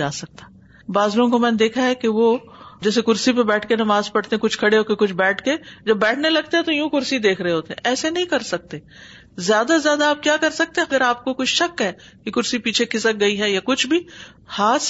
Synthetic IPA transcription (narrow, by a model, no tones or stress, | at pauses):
aːsɐk̚t̪ḁ | baːzɾõkomɛ̃ːned̪eːkʰaɦɛkeʋo | d͡ʒɛːsekʊɾsip̬ebɛːʈʰkenɐmaːzpɐɽt̪eɦɛ̃kʊt͡ʃʰkʰɐɽeɦoːkekʊt͡ʃʰbɛːʈʰked͡ʒɐbːɛːʈʰnelɐɡ̚t̪eɦɛ̃t̪ojũːkʊɾsid̪eːkʰɾɐɦeɦoːt̪eɦɛ̃ɛːsenɐɦĩkɐɾsɐk̚t̪eː | zjaːd̪azjaːd̪aaːp̚kjaːkɐɾsɐk̚t̪ẽɦɡəɾaːp̚kokʊt͡ʃʰʃɐkɦɛː | kekʊɾsipiːt͡ʃʰekʰɪsək̚ɡɐiɦɛjakʊt͡ʃʰbʱi | haːs